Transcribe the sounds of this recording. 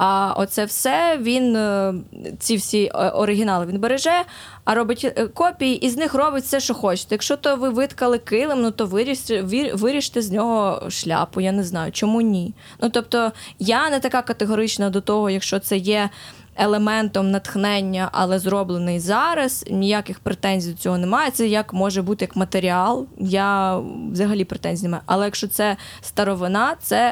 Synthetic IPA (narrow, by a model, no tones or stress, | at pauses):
ɐʔɔ̰t̪sɛwsɛʋʲin | t͡sʲiwsʲiɔɾɪɦʲɪnɑlˠɪʋʲinbeɾeʒɛ | ɐɾɔbɪtʲkɔpʲijiʔiznɪxrɔbɪtʲsɛʃt͡ʃɔxɔt͡ʃɪ̥t̪ɛjɐkʃt͡ʃɔt̪ɔʋɪʋɪt̪kɐlˠɪkɪlˠɪmnut̪ɔʋɪɾʲiʋiʋɪɾʲiʃt̪ɛzʲnʲɔɦɔʃlʲa̰pʊjanɛznɑjʊt͡ʃɔmunʲi | nut̪ɔp̚t̪ɔjanɛt̪ɐkɑkɐt̪eɦɔɾɪt͡ʃnɐd̪ɔt̪ɔɦɔjɐkʃt͡ʃɔt̪sɛjɛ | elˠemɛnt̪ɔmnɐt̪xnɛnʲːɐʔɐ̰lˠɛzɾɔblˠenɪjzɑɾɐsnʲijakɪxpɾet̪ɛnʲzʲijd̪t͡sʲɔɦɔnɛmɑjɛt̪sɛjɐkmɔʒɛbut̪ɪjɐkmɐt̪eɾʲiɑlˠjaʋzɐɦɐlʲipɾet̪ɛnʲzʲinemɑjʊʔɐ̰lˠɛjɐkʃt͡ʃɔt̪sɛst̪ɐɾɔʋɪnɑt̪sɛ